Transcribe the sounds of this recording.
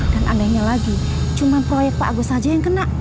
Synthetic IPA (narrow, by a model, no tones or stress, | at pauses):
kanʔanɛhɲalaɡi | t͡ʃumanpɾɔjɛk̚t̪̚paʔaɡosad͡ʒajaŋkənaʔ